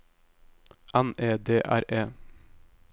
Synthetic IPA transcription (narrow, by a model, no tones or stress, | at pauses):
ʔæneːd̪eːʔæ̰ɾeː